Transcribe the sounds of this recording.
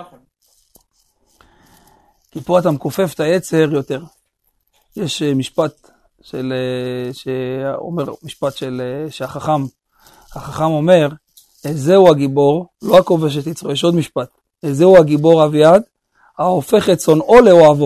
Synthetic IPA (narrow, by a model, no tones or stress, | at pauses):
kipuat̪amkofe̞ft̪aet͡seheʁjo̞t̪e̞ʁ | jeʃmiʃpat̪ | ʃeleʃeo̰meʁmiʃpat̪ʃelʃeaχaχam | haχaχamo̞me̞ʁ | ezeuaɡibo̞ʁlo̞ako̞ve̞ʃ̬et̪it͡sʁojeʃo̞d̪miʃpat̪ | ezeuaɡibo̞ʁavjad̪ | haofe̞χet͡so̞no̞leoavo